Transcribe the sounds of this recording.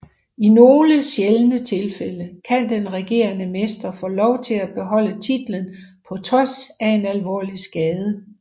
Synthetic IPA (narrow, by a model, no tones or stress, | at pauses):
ino̝ːləɕjelənət͡sʰe̝lfeləkʰænd̥enʁɛɡ̥e̝̰ːɐnəmesd̥ɐfɔ̰ːlɒʊt͡sʰe̝læb̥e̝ɦɒ̽l̰ət͡sʰid̥lənpʰɒ̽t͡sʰʁɒ̽sæe̝nælʋɒ̰ːlisɡ̥ɛːð̞ˠə